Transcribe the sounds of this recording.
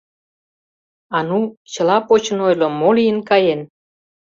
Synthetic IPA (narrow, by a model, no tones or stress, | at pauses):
ɑnut͡ɕə̆lɑpot͡ɕə̆nojlomːolijənkɑjen